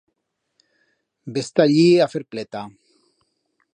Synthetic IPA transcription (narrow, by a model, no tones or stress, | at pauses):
best̪aʎiafeɾplet̪a